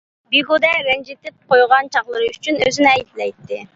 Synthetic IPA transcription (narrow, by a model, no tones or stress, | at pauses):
biɡod̪ɛɾɛnd͡ʒet̪ɪp̚qʰojʁɑnt͡ʃʰɑχlˠɨɾɨyt͡ʃʰynøzynɪɛjd̪lɛjt̪ːɪ